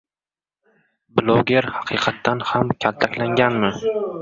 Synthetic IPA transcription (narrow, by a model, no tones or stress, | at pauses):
blˠoɡʲeɾhɑqʰɨqʰɑt̪ʰːanhamkʲʰalˠt̪ʰakʲlaŋɡʲanmɪ